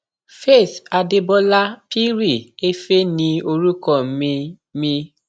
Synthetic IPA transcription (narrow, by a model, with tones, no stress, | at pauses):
fe˦˨θa˧de˧bɔ˦la˦pi˦ɾi˦˨e˦fe˦nĩ˧o˧ɾu˦kɔ˦˨˦mi˧ | mĩ˧